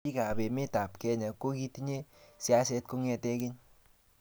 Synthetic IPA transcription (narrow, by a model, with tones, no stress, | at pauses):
i˦ka˨be˨mɪ˦ta˨pkɛ˦ɲa˨ko˦ki˦ti˦ɲe˦si˦a˦s̬ɛ˧tko˦ŋɛ˧tɛ˦kɪ˦ɲ